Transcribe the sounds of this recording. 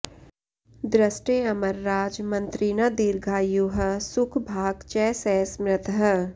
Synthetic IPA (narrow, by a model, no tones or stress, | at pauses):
d̪ɾəsʈeɐməɾːaːd͡ʒmɐ̃nt̪ɾiːnad̪iːɾɡʱaːjuɦə̆sʊkʰbʱaːɡt͡ʃɛːsɛːsmɾɪt̪ʰɦə